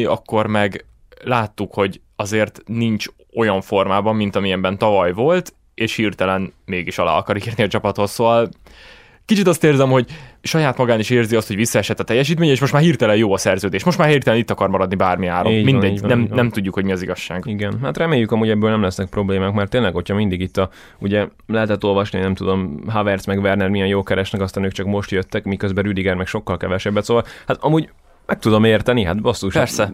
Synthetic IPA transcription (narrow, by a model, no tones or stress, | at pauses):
ɒ̰kːo̞rmɛɡ | laːt̪ːukho̞ɟ | ɒzeːrt̪niɲt͡ʃ | o̞jɒɱfo̞rmaːbɒmːint̪ɒmiɛmbɛnt̪ɒvɒjvo̞lt̪ | eːʃhiːrt̪ɛlɛnmeːɡiʃɒla̰ːɒkɒɾikeːrniɒt͡ʃɒpɒt̪ho̞sːoːvɒl | kit͡ʃit̪ɒst̪eːrzɛmho̞ɟʃɒjaːt̪mɒɡaːniʃeːrziɒst̪ho̞ɟʋisːɒɛʃɛt̪ːɒt̪ɛjːɛʃ̬iːt̪meːɲɛeːʃmo̞ʃt̪maːrhiːrt̪ɛlɛjoːɒsɛrzøːd̪eːʃmo̞ʃt̪maːrheːrt̪ɛlɛnit̪ːɒkɒɾmɒɾɒd̪nibaːrmiaːɾomːminɛɟnɛmnɛmt̪uɟːukhoɟmiɒziɡɒʃːaːɡiɡɛnɦat̪rɛmeːjːykɒmuːɟɛbːøːlnɛmlɛsnɛk̚pro̞bleːmaːkmɛrt̪ːeːnlɛɡo̞cʰhɒmind̪iɡit̪ːɒ | uɟɛ | lɛɦɛt̪ɛt̪ːo̞lvɒʃninɛmt̪ud̪o̞mɦavɛrt̪smɛɡvɛrnɛrmijɛnjoːkɛɾɛʃnɛkɒst̪ɒnøːk̚t͡ʃɒkmo̞ʃt̪jøt̪ːɛkmikøzbɛɾyd̪iɡɛrmɛkʃo̞kːɒlkɛvɛʃɛbːɛt̪soːvɒlhat̪ɒmuːɟ | mʔɛk̚t̪ud̪o̞meːrt̪ɛniɦa̰t̪bosːuʃpɛrsɛ